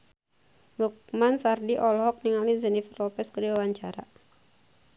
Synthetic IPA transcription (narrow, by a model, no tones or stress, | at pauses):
luk̚mansardiʔɔlɦɔk̚niŋalizənifərlɔpɛskəɾiwawaɲt͡ʃaɾa̰